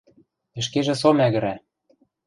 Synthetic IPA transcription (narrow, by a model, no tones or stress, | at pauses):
ɘ̆ʃkeʒĕs̬omæɣɘ̆ɾæ